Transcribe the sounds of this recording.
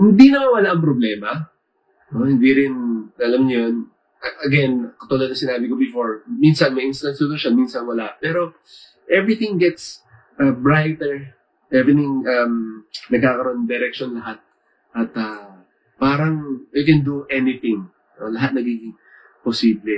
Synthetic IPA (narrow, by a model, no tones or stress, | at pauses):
hɪnd̪inɐmawɐlaʔɐŋpɾoblɛːmɐ | nohɪnd̪iɾɪnɐlɐmɲjon | ʔɐɡɛnkɐt̪ulɐd̪nɐŋsɪnaːbɪkobɪfoɹminsɐnmɐjʔɪnst̪ɐnsd̪od̪oʃɐnminsɐnwɐlaʔpɛːɾo̞ | ʔɛvɹɪt̪ɪ̃ŋɡɛt̪s | ʔɐbɹajt̪ɛɹ | ʔɛvɾɪt̪ɪ̃ŋʔɐmnɐɡ̚kaːkɐɾoʔond̪ɛɾɛk̚ʃonlɐɦat̪̚ | ʔɐt̪ɐ | paːɾɐŋɪkɛnd̪uʔɛnɪθɪ̃ŋ | nolɐɦat̪̚nɐɡiːɡɪŋ | posiːblɛ